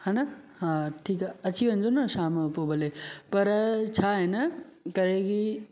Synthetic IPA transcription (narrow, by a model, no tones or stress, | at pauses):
hãːna | hãʈʰiːkaɐt͡ɕʰiʋɐ̃ɲd͡ʑonɐʃaːmɐpobʱɐlepɐɾt͡ɕʰaːɦenɐ | kɐɾeki